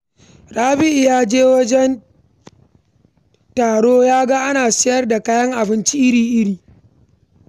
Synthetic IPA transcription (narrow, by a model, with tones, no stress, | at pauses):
ɾaː˦bɪ˦ʔjaː˦d͡ʒeː˦wɐ˦d͡ʒɛ˦n | taː˨ɽoː˦jaː˦ɡa˦ʔa˦naː˨sɪ˦jɐ˦rda˨kaː˦jɐ˦ŋʔa˨bɪ˦nt͡ʃi˦ʔɪ˦ɾiː˨ʔɪ˦ɽiː˨